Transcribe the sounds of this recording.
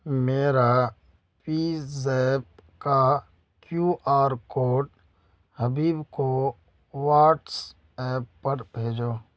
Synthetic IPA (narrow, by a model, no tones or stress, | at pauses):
meːɾa | pizeːp̚ka | kjuːʔaːɾkoːʈ | həbiːbko | waːʈs | ɛːpːəɽbʱeːd͡ʒoː